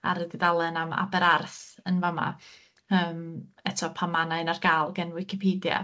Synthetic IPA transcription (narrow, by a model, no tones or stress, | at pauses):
a̰ɾədiðalˠɛnama̰bɛɾarθənvama̰ | əːmɛtʰɔpʰamanaɨnarɡaːlˠɡɛnwɪkʰɪpʰiːdja̰